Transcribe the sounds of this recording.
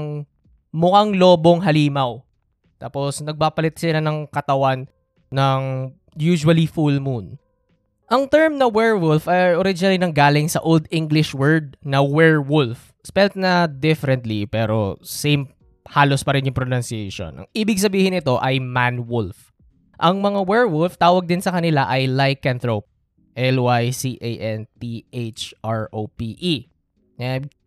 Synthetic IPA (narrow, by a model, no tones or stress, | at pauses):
ŋ | mʊkaŋloːbo̞ŋɦɐliːmɐw | t̪aːposnɐɡ̚papɐlɪt̪̚sɪlanɐŋkɐt̪ɐwanː | ɐŋ | juːʃʊwɐlifulmun | ʔɐŋt̪ɛɹmnɐwɛɹwʊlfɐjʔoɾɪd͡ʒɪnɐlinɐŋɡaːlɪŋsɐ̰ʔold̪iŋɡlɪʃwɛɹd̪̚nɐwɛɹwʊlf | spɛlt̪̚nɐd̪ɪfɛɾɛnt̪lipɛːɾo̰sejm | haːlospɐɾɪnjʊŋpɾonansiejʃo̰nʔɐ̰ŋʔiːbɪɡs̬ɐbiːhɪnɪt̪o̞ʔɐjmanwʊlf | ʔɐŋmɐŋawɛɹwʊlft̪aːwɐɡ̚d̪ɪnsɐkɐnɪlaʔɐjlajkːɛnt̪ɹop̚ | ʔɛlwajsiʔejʔɛnt̪iʔejt͡ʃʔaɹʔopiʔi | nɛ